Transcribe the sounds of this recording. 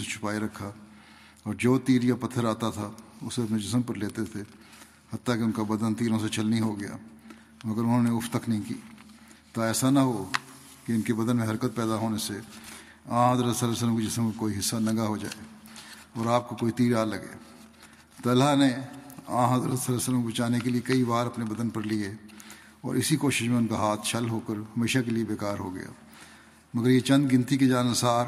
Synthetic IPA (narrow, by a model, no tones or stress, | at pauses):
et͡ʃʰʊ̥paːeɾɐkʰːa | ɔːɾd͡ʒoːt̪iːɾjapɐt̪ʰːəɾaːt̪at̪ʰaʊseɐpned͡ʒɪsəmpəɾleːt̪et̪ʰe | hɐt̪ːakeʊnkabɐd̪ənt̪iːɾõset͡ʃɐlniɦoɡɐja̰ː | mɐɡəɾʊnɦõːneʊpʰt̪əknɐɦĩkḭː | t̪oɛːsanɐɦo | keʊnkebɐd̪ənmẽɦɐɾkət̪̚pɛːd̪aɦoːnese | ãːɦɐzɾət̪səlːɛːs̬ələmkid͡ʒɪsəmkẽkoːiɦɪsːanɐɡaɦod͡ʒa̰ːeː | ɔːɾaːp̚kokoːit̪iːɾaːlɐɡḛː | t̪ɐlaneã̰ːɦɐzɾət̪səlɛːsələmkobɪt͡ʃaːnekeliekɐibaːɾɐpnebɐd̪ənpɐɾlie | ɔ̰ːɾɪsikoːʃɪʃmẽʊnkaɦaːt̪ʰʃɐlɦoːkəɾɦɐmeːʃakeliebeːkaːɾɦoɡɐ̰ja̰ː | mɐɡəɾjet͡ʃɐ̃nd̪ɡɪ̃nt̪iked͡ʒaːnəsaːɾ